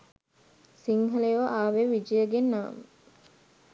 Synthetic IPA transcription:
siŋɦɐlejʋʔaːʋeʋid͡ʒijəɡenːaːmə

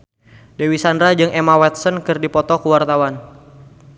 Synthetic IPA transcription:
dewisandɾad͡ʒɨŋʔemawɛt̪̚sənkɨrdipɔt̪ɔkuwart̪awan

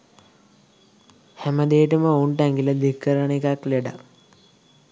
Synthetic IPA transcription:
hæməd̪eːʈəməouɳʈaŋɡiləd̪ikːəɾəɳikakleɖa̰

